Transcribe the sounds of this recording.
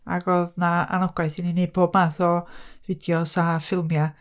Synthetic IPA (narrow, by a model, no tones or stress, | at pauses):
a̰ɡoðnaa̰nɔɡ̥wajθinined̚bʰoːb̚maːθɔvɪdjɔsafɪlˠmja